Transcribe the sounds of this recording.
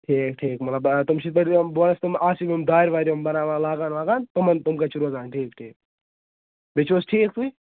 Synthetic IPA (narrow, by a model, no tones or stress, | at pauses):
ʈʰiːkʈʰiːkmɐt̪lɐbt̪umʃit̪ɐɾmboːnɐst̪umaːsimomd̪aːɾʋaːɾimbɐnaːʋaːlaːɡaːnlaːɡaːnt̪umɐnt̪umkat͡ʃuɾuɐzaːnʈʰiːkʈʰiːk̚ | bit͡ʃoːsʈʰiːk̚t̪ui